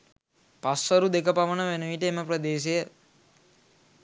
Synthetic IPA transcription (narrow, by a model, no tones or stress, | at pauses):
pasʋəɾud̪ekəpaʋənəʋenuʋiʈəeməprəd̪eːs̬ejə